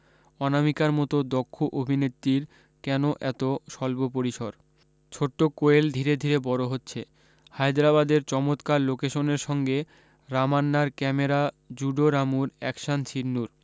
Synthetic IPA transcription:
ɔnamikaɾmɔt̪od̪okʰːoʔobʱinet̪ːɾiɾ | kɛnoʔɛt̪oʃɔlbopoɾiʃoɾ | t͡ɕʰoʈːokoeld̪ʱiɾed̪ʱiɾebɔɾoɦotːɕʰe | hajd̪ɾaβad̪eɾt͡ɕɔmot̪kaɾlokeʃoneɾʃɔŋɡe | ɾamanːaɾkɛmeɾa | d͡ʑuɖoɾamuɾɛkʃant͡ɕʰiɾnːuɾ

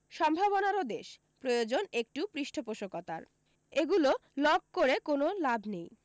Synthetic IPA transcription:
ʃɔmbʱaβonaɾod̪eʃ | pɾojod͡ʑonek̚ʈupɾiʃʈʰopoʃokot̪a̰ɾ | eɡulolɔɡ̚koɾekonolabʱnej

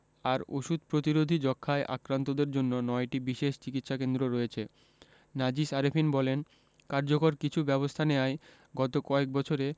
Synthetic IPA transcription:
aɾo̰ʃud̪̚pɾot̪iɾod̪ʱid͡ʑɔkʰːaeʔa̰kɾant̪od̪eɾd͡ʑonːonɔeʈibiʃeʃt͡ɕikit̪ʃakend̪ɾoɾɔjet͡ɕʰe | nad͡ʑiʃaɾefʰinbɔlen | kaɾd͡ʑokoɾkit͡ɕʰubɛβost̪ʰaneae | ɡɔt̪okɔek̚bɔt͡ɕʰoɾe

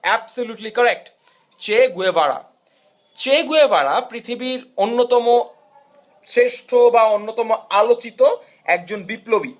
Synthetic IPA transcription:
ɛbsoluʈlikɔɾek̚ʈ | t͡ɕeɡuebaɽa̰ | t͡ɕeɡuebaɽapɾit̪ʰibiɾonːot̪ɔmo | seʃʈʰobaonːot̪ɔmoalot͡ɕit̪o | ɛk̚d͡ʑonbiplobi

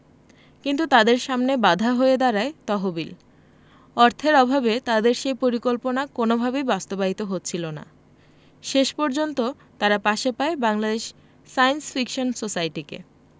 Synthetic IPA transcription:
kint̪ut̪ad̪eɾʃamnebad̪ʱaɦoed̪aɾaet̪ɔɦobil | ɔɾt̪ʰeɾɔbʱabet̪ad̪eɾʃejpoɾikolponakonobʱabejbast̪obaɦit̪oɦotːɕʰilona̰ | ʃeʃpɔɾd͡ʑont̪o | t̪aɾapaʃepaebaŋlad̪eʃ | sajnsfikʃonsosajʈikḛ

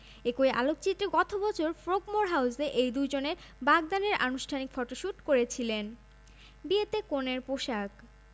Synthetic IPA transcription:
ekojʔa̰lokt͡ɕit̪ːɾeɡɔt̪ʰobɔt͡ɕʰoɾfɾoɡmoɾɦawseʔejd̪ujd͡ʑoneɾbaɡ̚d̪aneɾa̰nuʃʈʰanikfɔʈoʃuʈkoɾet͡ɕʰilen | biet̪ekoneɾpoʃak

